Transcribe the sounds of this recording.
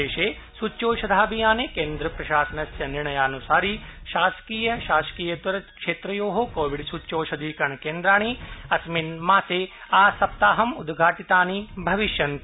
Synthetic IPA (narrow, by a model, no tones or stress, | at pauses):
eːʃeː | sut͡ʃoːʃɐd̪ʱaːbijaːnekeːnd̪ɾɐpɾɐʃaːsɐnɐsjɐniɾɳɐjaːnusaːɾiʃaːskiːjɐʃaːskiːjɐt̪ʋɐɾɐkʃeːt̪ɾɐjoːɦokoːʋiɖsut͡ʃoːʃɐd̪ʱiːkɐɳkeːnd̪ɾaːɳ̃iɐsminmaːseːaːsɐp̚t̪aːɦɐmud̪ɡʱaːʈit̪aːnibʱɐʋiʃjɐnt̪